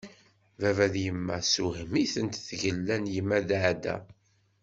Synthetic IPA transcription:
vævæðjəmːæsuhəmiθənt̪θʝəlːænjəmːæðʕd̪æ̰

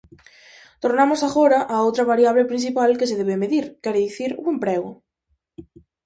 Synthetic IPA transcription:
t̪oɾnamosaɣoɾaʔaowt̪ɾaβaɾjaβ̞lepɾin̟θipalkes̬eðeβemeðiɾkɛɾeðiθiɾuempɾɛɣo

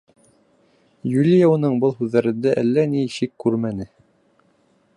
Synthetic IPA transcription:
julʲijaunɤɴbɤlˠhʉðːæɾɘ̆nd̪æʔælːæniʃikːʉɾmænɘ

